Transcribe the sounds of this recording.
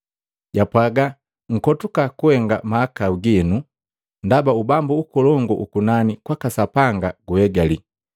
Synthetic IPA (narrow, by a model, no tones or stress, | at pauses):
ɟapwaɡa | ŋ̩kɔtukakuhɛŋɡamaːkauɡinu | ndabaubambuukɔlɔŋɡɔʔukunanikwakasapaŋɡaɡuhɛɡali